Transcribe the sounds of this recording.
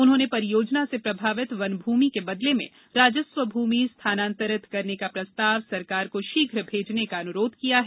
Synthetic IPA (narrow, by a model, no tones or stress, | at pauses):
ʊnɦõːnepɐɾɪjoːd͡ʒnasepɾɐbʱaːʋɪt̪ʋɐnbʱuːmikebɐd̪lemḛ̃ | ɾaːd͡ʒəsʋəbʱuːmist̪ʰaːnãːnt̪əɾɪt̪ʰkɐɾnekapɾɐst̪aːʋsɐɾkaːɾkoʃiːɡʱɾəbʱeːd͡ʒnekaɐnʊɾoːd̪̚ʱkijaɦɛː